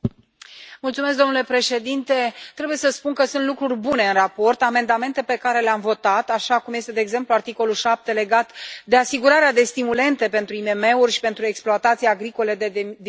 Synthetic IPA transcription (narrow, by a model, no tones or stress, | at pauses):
mult̪sumes̬kd̪o̞mnule̞pɾe̞ʃe̞d̪int̪e̞t̪ɾebuje̞səspunkəsunt̪lukɾurʲbune̞ɨnrapo̞rt̪ame̞nd̪ame̞nt̪e̞pe̞kaɾe̞leamvo̞t̪at̪aʃakumje̞st̪e̞d̪eːɡze̞mpluart̪iko̞lulʃap̚t̪e̞le̞ɡat̪d̪e̞asiɡuɾaɾead̪e̞st̪imule̞nt̪e̞pe̞nt̪ɾuime̞me̞urʲʃi̥pe̞nt̪ɾue̞ksploat̪at̪sijeaɡɾiko̞led̪d̪